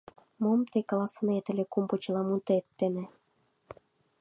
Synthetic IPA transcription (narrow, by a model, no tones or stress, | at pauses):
momt̪ekɑlˠɑsənet̪ə̆lʲĕkumput͡ɕlɑmunt̪et̪ːĕnĕ